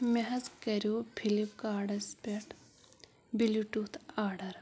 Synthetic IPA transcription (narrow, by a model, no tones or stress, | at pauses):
meɦɐzkɐɾjupʰilip̚kaːɾɖɐspeʈ | biluʈut̪ʰaːɾɖɐɾ